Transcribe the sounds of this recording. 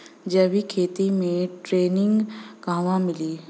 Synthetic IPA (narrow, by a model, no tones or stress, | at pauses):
d͡ʒəbikʰeːt̪imẽʈɾeːnɪ̃ŋɡɡãːʋãmɪliː